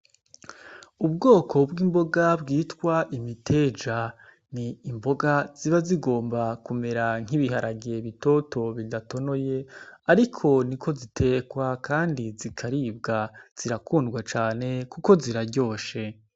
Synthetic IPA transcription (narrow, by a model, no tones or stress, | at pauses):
ubɡo̞ːkʰo̞bɡiːmbo̞ɡabɡiːtkwaʔimitʰeːd͡ʒa | niːmbo̞ɡaz̥iβaziɡo̞ːmbakume̞ɾaŋ̥iβiɦaɾaɡiɾeβito̞to̞βidato̞no̞je̞aɾikʰo̞nikʰo̞zitʰe̞kwakʰaːndizikʰaɾiːbɡaz̥iɾakuːndɡwat͡ʃaːne̞kuko̞ziɾaɟo̞ːʃe